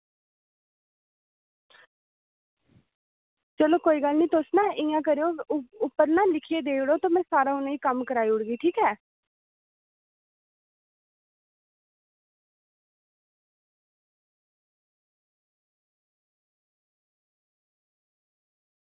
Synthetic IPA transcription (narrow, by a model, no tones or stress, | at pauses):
t͡ʃəloːkoːiːɡəlnĩːt̪ʊsnãːʔɪ̃jãːk̬əɾeoːʊpːəɾnãːlɪkʰiːeːd̪eːʊɽoːt̪ãːmɛ̃ːsaːɾãːʊnãːiːkəmkəɾaːiːʊɽɡiːʈʰiːkɛː